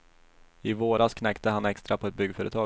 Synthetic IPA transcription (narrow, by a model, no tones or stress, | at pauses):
ɪvoːɾaskʰnɛkt̪əɦanɛkst̪ɾapʰɔɛt̪̚bʏɡːfœːɾət̪ʰɑː